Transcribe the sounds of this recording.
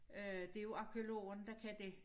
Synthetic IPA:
ød̥e̝jo̝ɑ̈kʰeolo̝̰ːɐnd̥ɑkʰæd̥e̝

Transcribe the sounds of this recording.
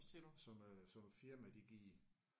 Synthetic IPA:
elsɒ̽msɒ̽mfiɐmæd̥iɡ̥iː

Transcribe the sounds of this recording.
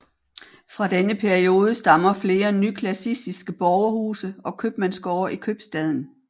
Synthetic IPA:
fʁɑ̈d̥enəpʰæɐio̝ːð̞ˠəsd̥ɑ̈mɐfle̝ːɐnykʰlæsisd̥isɡ̥əb̥ɒʊɐhuːsəɒ̽kʰøb̥mænsɡ̥ɒːɐʔikʰøb̥sd̥ɛð̞ˠn̩

